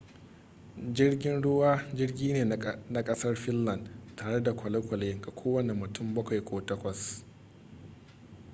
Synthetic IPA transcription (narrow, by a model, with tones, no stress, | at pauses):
d͡ʒɪ˦rɡʲɪ˦nɽʊ˦waː˦d͡ʒɪ˦rɡʲiː˦neː˨na˨kʼɐ˦sɐ˦rɸɪ˦nːɐ˨ntaː˨ɽe˦da˨kʷɐ˨lɐ˦kʷɐ˨leː˦ɡʼa˨kʷʰoː˦wɐ˦˨nɛ˨mːʊ˨tʊ˦mbɐ˦kʷa˨jkʷʰoː˨tɐ˦kʷɐ˨s